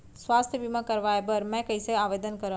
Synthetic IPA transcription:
sʋaːst̪ʰjəbimãkɐɾʋaːebɐɾmɛ̃kɐiseaːʋeːd̪ənkɐɾə

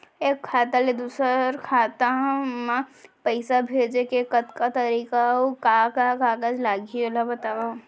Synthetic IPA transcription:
eːkʰːaːt̪aled̪uːsəɾkʰaːt̪amapəɪsabʱeːd͡ʒekekɐt̪kat̪ɐɾiːkaɦokakakaːkad͡ʒlaːɡiolabɐt̪aːwa

